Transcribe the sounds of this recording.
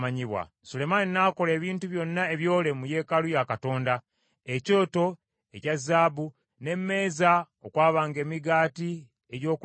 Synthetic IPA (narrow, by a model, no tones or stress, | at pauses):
aɲiβwa̰ | sule̞maninaːko̞le̞ːβiːntuβjo̞nːaeβjo̞ːle̞muje̞ːkalujakato̞ːnda | eco̞ːto̞ | e̞cazːaːbu | ne̞mːe̞ːza | okwaːβaːŋɡe̞ːmiɡaːti | eɟo̞ːk